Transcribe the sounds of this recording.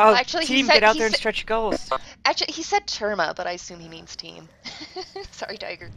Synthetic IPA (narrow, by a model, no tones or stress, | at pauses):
oʊæk̚t͡ʃul̩ˠitʰĩmɛɾaʊt̪̚ðə˞ɨ̃nstɹ̥ɛt͡ʃɡ̥oʊlˠz̥ʔæk̚t͡ʃlˠihisɛd̚tʰɜ˞mab̥ʌɾaɪɨsʉ̃mhimĩnz̥tʰḭ̃m | sɑ̰ɹitʰa̰ɪɡə˞